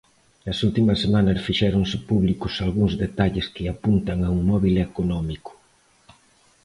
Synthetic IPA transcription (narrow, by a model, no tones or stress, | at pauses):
ɐsult̪imɐsːemanɐsfiʃɛɾoŋsɪpuβlikʊsalɣuŋzðet̪aʎɪskɪapunt̪ɐŋauŋmɔβilekonɔmikʊ̥